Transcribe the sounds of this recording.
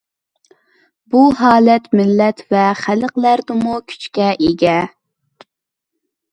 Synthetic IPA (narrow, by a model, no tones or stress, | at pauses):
buɦɑːlɛt̪mɪlːɛt̪vɛχæləqlæɾd̪ɪmukʲʰy̥t͡ʃkʲɛʔeɡʲɛ